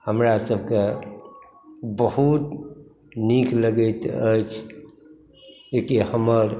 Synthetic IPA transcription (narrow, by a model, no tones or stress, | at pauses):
həmɾasəbʱke | bəɦut̪ | nikʰləɡət̪ə̰jt͡ʃʰ | ekihəməɾ